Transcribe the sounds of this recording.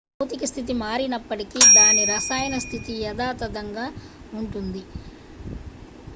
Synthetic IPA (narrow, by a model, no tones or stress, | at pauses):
ɐwt̪ikɐst̪ʰit̪imaːɾinɐpːɐʈikid̪aːniɾɐsaːjɐnɐst̪ʰit̪ijɐd̪aːt̪ɐd̪ɐŋɡaː | uɳʈund̪i